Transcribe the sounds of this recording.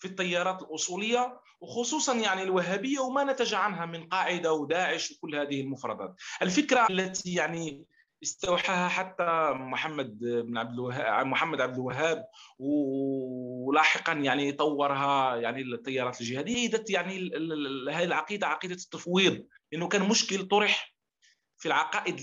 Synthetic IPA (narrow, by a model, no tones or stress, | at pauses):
fit̪ˤːɑjːɑɾˤɑːt̪əlʔʊsˤuləjːa | wxʊsˤuːsˤɑnjaʕnilwəɦːæbəjːawmænæt̪æʒaʕanɦæmənqɑʕɪd̪awd̪æːʕəʃwkʊlːhæd̪əhəlmʊfɾˤɑ̰d̪ˤɑ̰t̪̚ʔəlfəkɾalːæt̪ijaʕni | əst̪awħahæħat̪ːamʊħamːæd̪̚bnʕab̚d̪əlwæɦæmʊħamːæd̪ʕab̚d̪əlwæɦːæb̚w | lɑħəqɑnjaʕnit̪ˤɑwːɑɾˤɦæjaʕnit̪ˤːɑjːɑɾˤɑt̪lʒəhæd̪əjːaid̪æt̪jaʕni | hælʕɑqid̪aʕɑqid̪at̪ːɑfwid̪ˤ | ləʔənːʊkænmʊʃkəlt̪ˤoɾəħ | filʕɑqɑʔəd̪